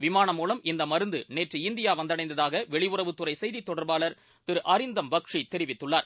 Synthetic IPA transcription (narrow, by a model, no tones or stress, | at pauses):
ʋɪmaːɳɐmːuːlɐmɪnd̪ɐmɐɾɯnd̪ɯneːʈrɯɪnd̪ɪjaːʋɐnd̪ɐɽɐɪnd̪ɐðaːɣɐʋɛɭɪʋʊrɐʋɯt̪ːɯrɐɪsɛjðit̪ːɔɽɐɾbaːɭɐɾ | t̪ɪɾʔɐɾɪnd̪ɐmbɐkʂit̪ːɛɾɪʋɪt̪ːɯɭːaːɾ